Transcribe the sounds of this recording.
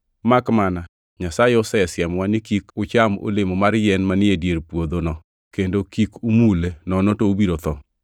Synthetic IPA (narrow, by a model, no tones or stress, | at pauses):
makmana | ɲasajeʊsɛsjɛmwanɪkikʊt͡ʃamo̰lɪmɔmaɾjɛnmanɪedjeɾpwod̪onɔ | kendokikumulenɔnɔtoobiɾot̪ɔ